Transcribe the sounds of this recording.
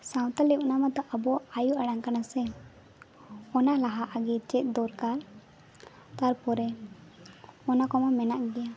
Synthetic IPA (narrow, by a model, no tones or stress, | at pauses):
saw̃t̪alipɔnamad̪ɔʔəbɔajuaɽaŋkanasɛ | ɔnalaɦaʔaɡiɾt͡ʃɛt̪̚ˀd̪ɔɾkaɾ | t̪aɾpɔɾɛ | ɔnakɔmamɛnaʔɡɛja